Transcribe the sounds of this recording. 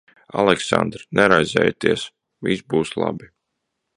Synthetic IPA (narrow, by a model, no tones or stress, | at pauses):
alˠɛksa̰nd̪ɾnɛɾajzɛːjat̪iɛs | visbuːslˠa̰bi